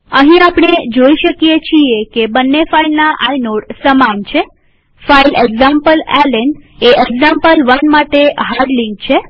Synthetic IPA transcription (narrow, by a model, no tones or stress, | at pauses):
əɦĩapɳed͡ʒoiʃəkijet͡ʃʰiekebənːefailnaʔajnoɽsəmant͡ʃʰe | faileɡzampəlɛlenɖeʔeɡzãmpəlʋənmaʈeɦaɾɖliŋk̚t͡ʃʰe